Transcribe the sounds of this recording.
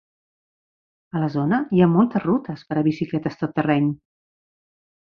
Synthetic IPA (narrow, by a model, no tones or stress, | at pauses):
ələzonəiamɔlˠt̪əzrut̪əspəɾəβisiklɛt̪əst̪ət̪ːərɛɲ